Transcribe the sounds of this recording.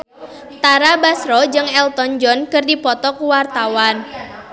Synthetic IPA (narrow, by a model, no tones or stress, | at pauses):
t̪aɾabasɾɔd͡ʒɨŋɛlt̪ɔnd͡ʒɔnkɨrdipɔt̪ɔkuwart̪awan